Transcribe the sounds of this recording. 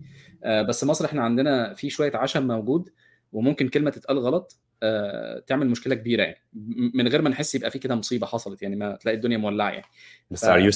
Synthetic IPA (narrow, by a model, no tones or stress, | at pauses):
ʔæbæsːmɑsˤɾʔeħnæʕand̪enæfiːʃowæjːæʕaʃæmːæwɡuːd̪ | wemomkenkelmæt̪et̪ʔælɣɑlɑt̪ˤ | æt̪eʕmelmoʃkelækebiːɾæja̰ʕni̥menɣeːɾmænħesːjebʔæ̰fiːked̪æmosˤiːbɑħɑsˤɑlet̪jaʕnimæt̪elæːʔid̪onjæmowælːaʕæ̰ja̰ʕnisu